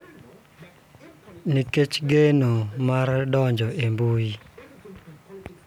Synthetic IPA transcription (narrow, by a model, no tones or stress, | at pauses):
niket͡ʃɡenomardɔɲd͡ʒɔʔembui